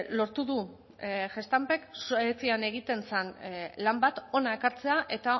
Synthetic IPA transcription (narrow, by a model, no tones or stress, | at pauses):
lo̞ɾt̪uðu | ʝe̞st̪ampeksoet͡siane̞ɣ̞it̪e̞nsenlambat̪o̞nae̞kaɾt͡se̞aʔe̞t̪a